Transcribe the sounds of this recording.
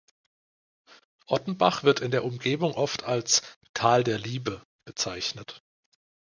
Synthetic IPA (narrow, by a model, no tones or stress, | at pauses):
ʔɔtn̩baχv̥ɪɐtɪndeːɐʔʊmɡeːbʊŋʔɔftʰalstʰaːldeːɐliːbə | b̥ət͡saɪçnət